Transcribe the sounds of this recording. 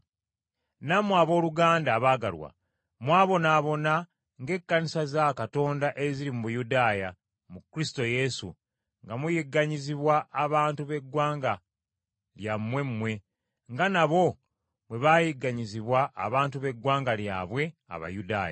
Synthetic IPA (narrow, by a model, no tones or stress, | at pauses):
namuaβo̞ːluɡaːndaːβaːɡa̰lwa̰ | mwaːβo̞naːβo̞na | ŋɡe̞kːanisazakato̞ːndaʔe̞ziɾimuβujudaːja | mukɾisi̥to̞je̞sṵ | ŋɡamujiɡːaɲiziβwaʔːβaːntuβe̞ɡːwaːŋɡa | ljamːwe̞mːwe̞ | ŋɡanaβo̞ | mwe̞βaːjiɡːaɲiziβwaʔːβaːntuβe̞ɡwaːŋɡalja̰ːβwe̞a̰βa̰juda̰ːja̰